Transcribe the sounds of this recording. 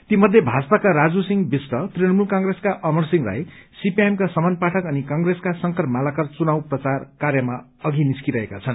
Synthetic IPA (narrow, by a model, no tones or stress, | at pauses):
t̪imʌd̪ʱjebʱad͡zpakaɾad͡zusiŋbisʈʌt̪rinʌmulkaŋɡɾeskaʔʌmʌrsiŋra̰jsipiemkasʌmʌnpaʈʰʌkʌnikaŋɡreskasʌŋkʌrmalakʌrt͡sunawprʌt͡sarkarjʌma | ʌɡiniskiɾʌɦekat͡sʰʌn